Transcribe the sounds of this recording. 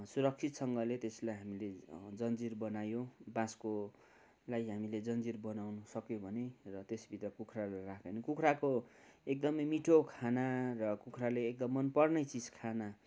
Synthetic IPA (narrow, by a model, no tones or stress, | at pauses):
suɾʌk̚t͡sʰit̪sʌŋɡʌlet̪eslajɦamiled͡zʌnd͡zirbʌnajõbãsko | lajɦamiled͡zʌnd͡zirbʌnawnusʌkjobʱʌnerʌt̪esbit̪rʌkukʰralarakʰʌnikukʰɾakoek̚d̪ʌmʌjmiʈʰokʰanarʌkukʰraleːk̚d̪ʌmːʌnpʌrnʌjt͡sid͡zkʰana